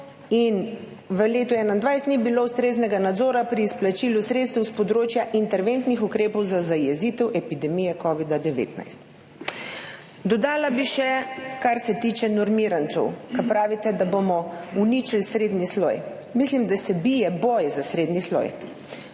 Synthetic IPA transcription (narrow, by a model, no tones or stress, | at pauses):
in | ʋəleːt̪uɛːnand̪ʋajst̪nibiloust̪ɾeːznɛɡanad̪zoːɾapɾiːsplat͡ʃilusɾeːt̪st̪ɛwspɔd̪ɾoːt͡ʃjaʔint̪ɛɾʋent̪nixukɾeːpɔwzazajɛzit̪ɛwʔɛpid̪ɛmiːjɛkɔːʋid̪ad̪ɛʋḛːt̪na̰jst̪ | d̪ɔd̪aːlabiʃɛkaɾsɛt̪iːt͡ʃɛnɔɾmiːɾant̪sɔwkapɾaːʋit̪ɛd̪abomɔunit͡ʃilsɾeːd̪nislɔ̰j | mislimd̪asɛbijɛboːjzasɾed̪nislɔ̰j